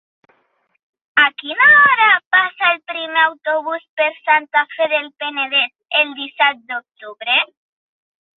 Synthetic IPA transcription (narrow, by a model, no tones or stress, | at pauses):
akinaɔɾapasaelpɾimeawt̪oβ̞uspeɾsant̪afeðelpeneðet̪̚eld̪isat̪̚d̪ok̚t̪uβɾe